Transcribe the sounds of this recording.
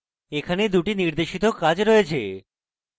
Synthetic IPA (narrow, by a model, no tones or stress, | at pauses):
ekʰaned̪uʈiniɾd̪eʃit̪okad͡ʑɾɔet͡ɕʰḛ